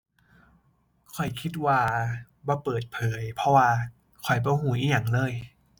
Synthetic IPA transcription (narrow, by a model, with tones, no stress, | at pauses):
kʰɔ˨˩jkʰi˧˥t̪̚waː˧ | bɔː˧˦pɤː˨˩t̪̚pʰɤː˩˦jpʰɔ˧˥waː˧ | kʰɔ˨˩jbɔː˧˩huː˨˩˦ʔiː˧˩ja˨˩ŋlɤː˧˨j